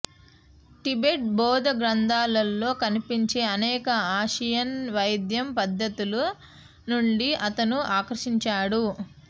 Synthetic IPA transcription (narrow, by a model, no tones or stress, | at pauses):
ʈibeʈ̚bɔːd̪ɐɡɾɐnd̪ʱaːlɐlːo̞ːkɐnipiɲt͡ʃe̞ːɐnɛːkɐaːʃɐjɐnʋɐjd̪jɐmpɐd̪ːɐt̪ulu | nuɳɖiʔɐt̪ɐnuaːkɐɾɐʃiɲt͡ʃaːɽu